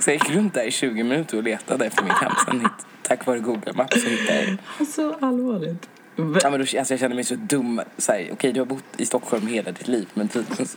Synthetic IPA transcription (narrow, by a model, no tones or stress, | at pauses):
sɔjajɪkːɾɵnt̪̚d̪æɾɪɕʉ̟ːɡɪmɪnʉ̟ːt̪əɾɔleːt̪ʰad̪əɛft̪əɾmɪnkʰa̰mpsɛ̰nhɪt̪t̪ʰːakːvɑːɾəɡuːɡəlmapːsɔhɪt̪ːad̪ɛ̰d̪ɛsɔalvɑːlɪt̪ | amɛnd̪ɔalsɔjɑɡɕɛnd̪əmɛjsɔd̪ɵmːsæːɾʔɔ̰kʰɛjd̪ɵhaɾbʊt̪ːɪst̪ɔkːhɔlmheːlad̪ɪt̪ʰliːvmɛnt̪ʰiːd̪ɛns